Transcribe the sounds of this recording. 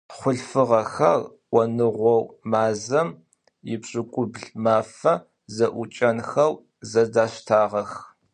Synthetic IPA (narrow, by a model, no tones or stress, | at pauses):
χʷʊɬfɨʁɐxɐr | wʷɔnɨʁʷɔwmaːzɐm | jɪbɕʼɪkʷʼʊbɮmaːfɐ | zɐʔʷʊt͡ʃʼɐnxɐw | zɐdaːɕtʰaːʁɐx